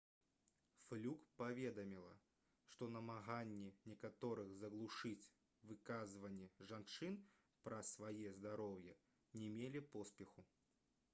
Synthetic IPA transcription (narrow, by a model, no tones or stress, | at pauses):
flʲukpavʲɛd̪ɐmʲilˠɐ | ʂt̪ɔnɐmaɣanʲːinʲɛkat̪ɔɾɨɣzɐɣlˠuʂɨt͡sʲ | vɨkazvɐnʲːɛʐant͡ʂɨn | pɾɐsvajɛzd̪aɾɔwjɐ | nʲɛmʲelʲipɔspʲɛxu